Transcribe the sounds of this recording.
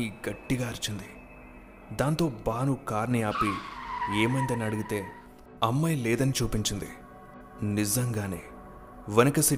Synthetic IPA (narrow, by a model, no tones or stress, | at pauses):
iɡɐʈːiɡaːɐɾt͡ʃind̪i | d̪aːnt̪o̞ːbaːnukaːɾniaːpieːmɐjnt̪ɐniɐɽuɡit̪e̞ː | ɐmːɐjlɛːd̪ɐnit͡ʃuːpiɲt͡ʃind̪ḭ | nizɐŋɡaːne̞ː | ʋenɐkɐsi